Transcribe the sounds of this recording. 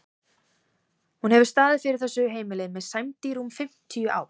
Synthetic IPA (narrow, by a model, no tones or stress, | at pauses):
hunhɛvɪɾst̪aːðɪðfɪɾɪɾ̥θɛsːʏɦeːjmɪlɪmɛðsajmt̪iɾumfɪm̥t̪ʰijʏʔa̰ːw